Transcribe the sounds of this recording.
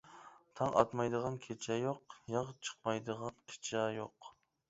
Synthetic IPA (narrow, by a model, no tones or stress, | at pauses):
t̪ʰɑŋɑ̰t̪mɑjd̪əʁɑnkʲʰet͡ʃʰɛjoqjɑʁt͡ʃʰə̥qmɑjd̪əʁɑnkʰʲe̥t͡ʃʰɛjoq